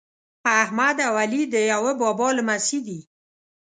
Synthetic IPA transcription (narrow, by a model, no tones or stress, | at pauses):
ahmad̪awalid̪əjawəbɑbɑləmasid̪i